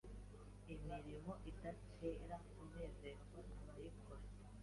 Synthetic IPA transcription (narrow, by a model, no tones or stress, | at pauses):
imiɾimoʔidat͡ʃeːɾakuβeːzeɾɡonaβaɾikʰoɾe